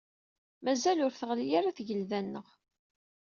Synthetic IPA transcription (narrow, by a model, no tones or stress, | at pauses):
mæzælʊɾθəʁlijaɾaθʝəlðænːəʁ